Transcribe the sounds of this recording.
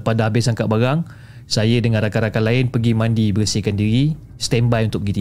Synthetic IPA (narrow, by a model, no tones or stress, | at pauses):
padaɦabɪsaŋkaʔ̪̚baɾaŋ | sajədəŋãnɾakaɾakalaɪnpəɡimãndibəɾəsəkandiɾi | st̪ɛmbajunt̪ʊk̚əɡit̪i